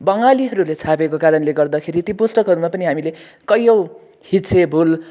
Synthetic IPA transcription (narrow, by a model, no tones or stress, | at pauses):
bʌŋɡaliɦʌɾulet͡sʰapekokaɾʌnleɡʌrd̪ʌkʰeɾit̪iposʈʌkɦʌɾumapʌniɦamile | kʌjʌw | hisʰebʱul